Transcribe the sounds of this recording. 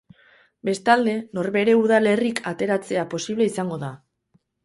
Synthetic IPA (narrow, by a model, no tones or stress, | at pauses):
be̞st̪ald̪e̞no̞ɾβe̞ɾe̞uðale̞rikʰat̪e̞ɾat͡se̞apo̞siβle̞isaŋɡo̞ða